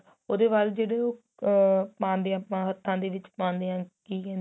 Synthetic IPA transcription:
oːd̪eːʋaːld͡ʒeːɽeːoː | pãːnd̪eːãːpãːɦət̪ʰːãːd̪eːʋɪt͡ʃpãːnd̪eːãːkiːkɛ̃ːn

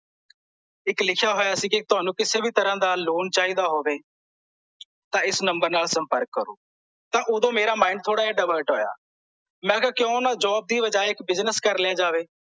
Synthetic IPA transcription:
ɪklɪkʰjaːɦoːjaːsiːkɪt̪ʊaːnũːkɪseːbiːt̪əɾãːd̪aːloːnt͡ʃaːiːd̪aːɦoːʋeː | t̪ãːɪsnəmbəɾnaːlsəmpəɾkːəɾo̰ː | t̪ãːʔʊd̪õːmeːɾaːmãːɪ̃ɳɖ̚t̪ʰoːɽaːaːɖəʋəːɾʈɦoːja̰ː | mɛ̃ːkːkjõːnãːd͡ʒɔːb̚d̪iːʋəd͡ʒaːɪkbɪznəskəɾlɪjãːd͡ʒaːʋeː

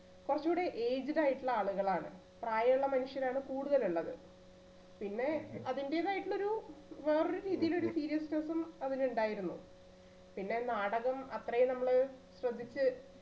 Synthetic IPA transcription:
kurɐt͡ɕːuːɽeʔeːd͡ʑiɾaːjiʈːɨɭːɐaːɭuɣɐɭaːɳɨ̰ | praːjɐjuɭːɐmɐnuʂjɐnaːɳɨkuːɽuðɐluɭːɐðɨ̰ | pinːe̞ɐðinde̞ːðaːjiʈːɨɭːo̞ɾuʋeːroɾuɾiːðijilo̞ɾusiːɾijɐsʈɐsɐmɐðinuɳɖaːjiɾunːṵ | pinːe̞naːɽɐɣɐmɐt̪rɐjunɐmːɐɭɨ | ɕrɐd̪ːit͡ɕːɨ

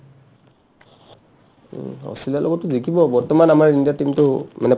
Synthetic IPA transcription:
ha̰wstilialʔɔ̰ɡɔtːʊzikʰibɔbɔɹtɔmanamaɹindiatimtʊmanɛ

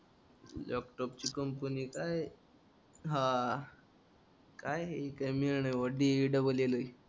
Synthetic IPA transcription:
lɔ̰kʈɔpt͡ɕikəmpənikaj | ɦã | kajɦikajmiɾɳajʋəɖiiɖəbəleləj

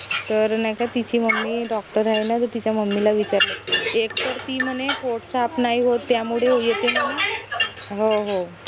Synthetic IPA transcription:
t̪əɾnajkat̪it͡ɕiːməmːiɖɔk̚ʈəɾaɦenat̪əɾt̪it͡ɕjaməmːilaʋit͡ɕaɾlaekt̪əɾt̪iːm̤ənekoʈsapnaiɦot̪ːjamuɽ̤eɦojet̪inana | ɦoɦo

